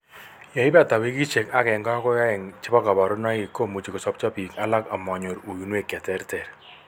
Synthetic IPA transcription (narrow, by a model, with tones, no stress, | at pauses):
ja˨ɪ˦bta˨we˦ki˦t͡ʃe˨ka˦kɛ˨ŋɡa˦kɔ˦ja˦ɛ˨ŋt͡ʃɪ˦pa˦ka˨ba˨ɾʊ˦na˦ɪ˨kːo˦˨mu˨t͡ʃi˨kɔ˨sɔ˦p̚t͡ʃɔ˦pi˨ka˦la˦ka˨mɔ˨ɲo˨ɾu˨ju˨nwe˦˨kja˨tɛ˦ɾtɛ˨ɾ